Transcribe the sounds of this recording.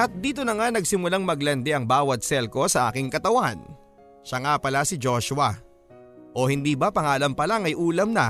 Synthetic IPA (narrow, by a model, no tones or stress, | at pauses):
ʔɐt̪̚d̪iːt̪onɐŋanɐɡ̚sɪmʊlaŋmɐɡlɐnd̪ɛʔɐŋbaːwɐt̪̚sɛlko̞sɐʔa̰ːkɪŋkɐt̪ɐwan | ʃɐŋapɐlasɪd͡ʒo̞ʃʊɐ | ʔo̞hɪnd̪iːbɐpɐŋaːlɐmpɐlaŋɐjʔuːlɐmnɐ